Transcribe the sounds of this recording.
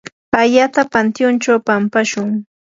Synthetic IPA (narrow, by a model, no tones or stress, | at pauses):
aʎat̪apant̪jʊnt͡ʃawpampaʃʊŋ